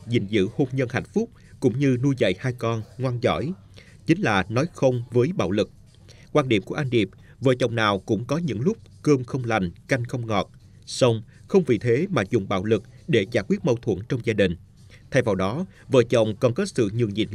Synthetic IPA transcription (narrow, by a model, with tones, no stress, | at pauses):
zḭ˨˩ŋzɨ̰˧˥ho˧mɲə˧nha̰˧˨jŋ̟fʊ˦˥k͡p̚ | kʊ̰˧˥ŋ͡mɲɨ˧nu˧jzə̰˧˨jhaː˧jkɔ˧nŋwaː˧nzɔ̰˧˩j | t͡ɕï˨˦ŋ̟laː˨˩nɔ˨˦jxə˧wŋ͡mvəː˨˦jɓa̰ː˧˨wlɨ˨˩k̚ | kwaː˧nɗi˧˩əmku˧˩əʔa˧nɗi˨˩əp̚ | və̰ː˧˨t͡ɕə̰˨˩wŋ͡mnaː˨˩wkʊ̰˧˥ŋ͡mkɔ˨˦ɲɨ̰˧˥ŋlʊ˦˥k͡p̚kəː˧mxə˧wŋ͡mla˨˩jŋ̟ka˧jŋ̟xə˧wŋ͡mŋɔ˨˩t̚ | sə˧wŋ͡m | xə˧wŋ͡mvḭ˨˩t̪ʰe˨˦maː˨˩zʊ˨˩ŋ͡mɓa̰ː˧˥wlɨ˨˩k̚ɗe˧˩zaː˧˩jkwi˦˥t̚mə˧wt̪ʰwə̰˧˩nt͡ɕɔ˧wŋ͡mzaː˧ɗï˨˩ŋ̟ | t̪ʰa˧jvaː˨˩wɗɔ˨˦ | və̰ː˧˨t͡ɕə̰˧˨wŋ͡mkɔ˧˩nkəː˦˥t̚sɨ̰˧˨ɲɨ̰˨˩əŋzḭ˧˨˩n